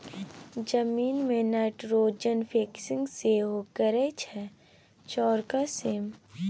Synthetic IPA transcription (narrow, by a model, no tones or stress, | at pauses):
d͡ʒəmiːnmẽnəʈɾoːd͡ʒənfʰeːksɪ̃ŋɡseɦokəɾɛt͡ʃʰɛ | t͡ʃɔːɾkaseːm